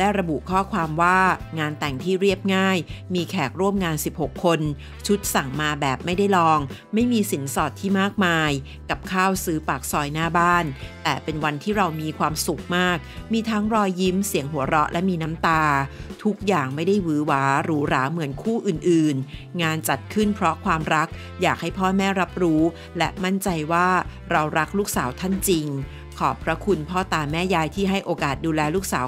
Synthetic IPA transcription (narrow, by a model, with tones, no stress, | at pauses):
lɛ˦˥ɾa˧bu˨˩ʔkʰɔː˥˩kʰwaː˧mwaː˥˩ŋaː˧nt̪ɛ˨˩ŋt̪ʰiː˥˩ɾi˥˩əp̚ŋaː˥˩jmiː˧kʰɛː˨˩k̚ɾu˥˩əmŋaː˧nsi˨˩p̚ho˨˩kʰːo˧n | t͡ɕʰu˦˥t̪̚sa˨˩ŋmaː˧bɛː˨˩p̚ma˥˩jda˥˩jlɔː˧ŋma˥˩jmiː˧si˩˦nsɔː˨˩t̪ʰːiː˥˩maː˥˩k̚maː˧j | ka˨˩p̚kʰaː˥˩wsɯː˦˥paː˨˩k̚sɔː˧jnaː˥˩baː˥˩nt̪ɛː˨˩pe˧nwa˧nt̪ʰiː˥˩ɾa˧wmiː˧kʰwaː˧msu˨˩k̚maː˥˩k̚miː˧t̪ʰa˦˥ŋɾɔː˧jːi˦˥msi˩˦əŋɦu˩˦ɐɾɔ˦˥lʔɛ̰˦˥miː˧na˦˥mt̪aː˧t̪ʰu˦˥k̚jaː˨˩ŋma˥˩jda˥˩jwɯː˩˦˥waː˦˥ɾuː˦˥ɾaː˩˦mɯ˩˦ənkʰuː˥˩ʔɯː˨˩nʔɯː˨˩nŋaː˧nt͡ɕa˨˩t̪̚kʰɯ˥˩npʰɾɔ˦˥kʰwaː˧mɾa˦˥k̚ | jaː˨˩k̚ha˥˩jpʰɔː˥˩mɛː˥˩ɾa˦˥p̚ɾuː˦˥ | lɛ˦˥ʔma˥˩nt͡ɕa˧jwaː˥˩ | ɾa˧wɾa˦˥k̚luː˥˩k̚saː˩˦wt̪ʰa˥˩nt͡ɕi˧ŋ | kʰɔː˨˩pʰɾa˦˥kʰu˧npʰɔː˥˩t̪aː˧mɛː˥˩jaː˧jt̪ʰiː˥˩ɦa˥˩jʔoː˧kaː˨˩t̪̚duː˧lɛː˧luː˥˩k̚saː˩˦